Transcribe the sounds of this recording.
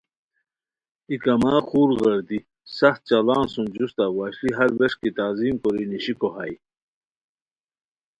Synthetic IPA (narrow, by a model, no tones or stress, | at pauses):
ikɐmaːxuːɾɣɐɾd̪i | sɐxt̪̚t͡ɕɐlaːnsund͡ʑust̪awaːɕliɦɐɾweʂkit̪aziːmkoɾiniɕikoɦa̰j